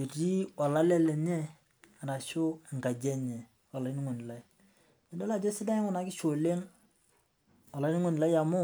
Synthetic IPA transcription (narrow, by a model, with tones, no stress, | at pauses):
e˨ti˦a˨la˦lɛ˦lɛ˨ɲɛ˦ | a˨ɾa˨ʃʊ˦˨ŋ˨ɡa˨d͡ʒɛ˦ɲɛ˨ | a˨la˨i˦ni˦ŋo˨n˨la˨i˨ | ɛ˨dɔ˦la˦˨d͡ʒɔ˦sɪ˦da˦ŋʊ˦na˨kɪ˦ʃo˨le˦ŋ | a˨la˨˦ɪ˦i˦ŋo˨n˨la˦jja˨mʊ˦